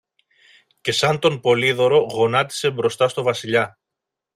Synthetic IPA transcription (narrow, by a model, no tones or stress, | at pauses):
ce̞sɐnt̪o̞npo̞liðo̞ɾo̞ɣo̞nɐt̪i̥se̞bɾo̞st̪ɐst̪ovɐsiʎɐ